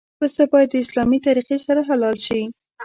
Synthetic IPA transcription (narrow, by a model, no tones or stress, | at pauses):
ɾost̪abɑjad̪̚ːəɪslɑmit̪aɾiqesaɾaɦalɑlʃi